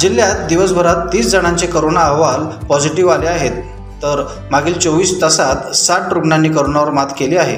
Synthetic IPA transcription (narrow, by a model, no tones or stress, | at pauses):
d͡ʑiljat̪̚d̪iʋəsbʱəɾat̪ːiːsd͡zəɽ̃aɲt͡sekəɾoɳaːɦʋalpɔd͡ziʈiʋaleaɦet̪ː | əɾ | maɡiːlt͡soʋiːst̪əsat̪saʈ̚ɾuɡɳanːiːkəɾoɳaʋəɾmat̪ʰkeliːaɦḛ